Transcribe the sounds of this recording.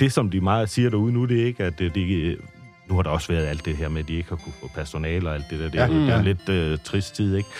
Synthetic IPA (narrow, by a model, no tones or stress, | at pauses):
d̥e̝sɒ̽md̥imɑ̈ːð̩ˠsiːɐɾ̥ɑuðˠnud̥e̝e̝ɡ̥æd̥d̥e | nuhɑ̈ɾ̥ɑ̈ɒ̽sʋæɐð̞ˠæl̰d̥e̝ɦeɐ̰med̥ie̝ɡ̥hɑ̈kʰufɔ̽pʰæɐso̝nɛ̰ːlɒ̽æld̥e̝d̥eɐd̥eɐuð̩ˠd̥ele̝d̥øt͡sʰʁisd̥t͡sʰið̰ˠeɡ̥